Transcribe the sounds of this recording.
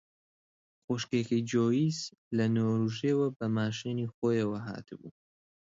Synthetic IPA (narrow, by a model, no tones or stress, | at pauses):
xoʃkekid͡ʒoːjiːz | lɐnoːɾuʒeːwɐbɐmaːʃiniːxoːjɐwɐɦa̰ːt̪ʰɨbṵː